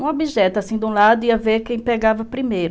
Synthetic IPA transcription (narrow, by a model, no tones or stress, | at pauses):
ũobiʒɛt̪ʊasĩd̪ũlad̪ʊiɐveɾkẽj̃peɡavɐpɾimejɾʊ